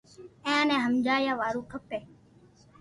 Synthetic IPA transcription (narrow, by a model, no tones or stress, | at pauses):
ẽːənɛ̃ːɦəmd͡ʒaːjãːʋaːɾũːkʰəpeː